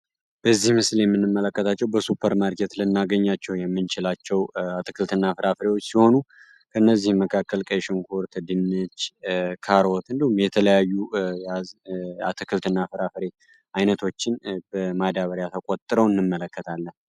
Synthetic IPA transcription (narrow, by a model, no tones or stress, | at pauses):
b̥əzːihmɨsljɛmːɨnːɨmːələkːət̪ʰat͡ʃːɛwbəsupʰːəɾmaɾket̪lɨnːaɡəɲːat͡ʃːɛwjɛmːɨnt͡ʃɪlat͡ʃːɛwat̪ʰɨkʰɨlt̪ɨnːafɨɾafɨɾewo̞t͡ʃːsiho̞nu | kʰəɨnːəzːihmːəkʰakʰːəlkʼəjʃɔŋkʰoɾt̪ʰəd̪ɨnːɨt͡ʃːkʰaɾot̪ɨnd̪əhumjɛt̪ʰələjajːujaa̰t̪ʰɨkʰɨlt̪ʰɨnːafɨɾafɨɾe | ʔajnət̪ʰo̞t͡ʃːɪnbəmad̪aβəɾjat̪ʰəkʼot̪ʼɨɾəwɨnːɨmːələkːət̪ʰalːən